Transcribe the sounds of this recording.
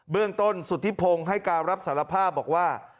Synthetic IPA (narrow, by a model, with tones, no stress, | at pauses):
bɯ˥˩əŋt̪o˥˩nsu˨˩t̪ʰːi˦˥pʰo˧ŋɦa˥˩jkaː˧nɾa˦˥p̚saː˩˦la˧pʰaː˥˩p̚bɔː˨˩k̚waː˥˩